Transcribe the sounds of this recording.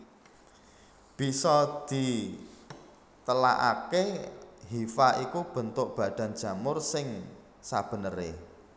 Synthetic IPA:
b̥i̤sɔd̪̥i̤ | t̪əla̰ʔa̰keɦifaʔikub̥ə̤nt̪ʊʔb̥ä̤d̪̥a̤n̥d͡ʒ̥a̤mʊrsɪŋ | sab̥ə̤nəɾe

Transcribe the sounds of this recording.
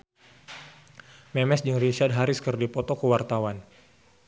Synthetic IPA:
mɛmɛsd͡ʒɨŋrit͡ʃard̚ɦaɾiskərdipɔt̪ɔkəwart̪awan

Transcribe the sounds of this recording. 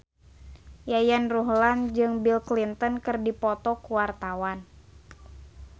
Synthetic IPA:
jajanruɦland͡ʒɨŋbilklint̪ɔnkɨrdipɔt̪ɔkuwart̪awan

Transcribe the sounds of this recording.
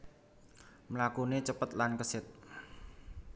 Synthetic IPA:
mlakunet͡ʃəpət̪̚lankəsɪt̪̚

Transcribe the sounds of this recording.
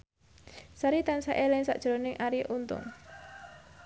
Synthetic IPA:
saɾit̪ansaʔelɛŋsa̰ʔd̥ʒ̥ɾonɪŋʔaɾiʔunt̪ʊ̰ŋ

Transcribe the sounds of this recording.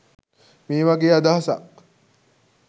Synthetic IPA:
miːʋɐɡeːad̪aːɦɐsa̰

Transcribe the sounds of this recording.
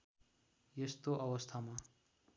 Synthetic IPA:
jest̪oʔʌwʌst̪ʰama

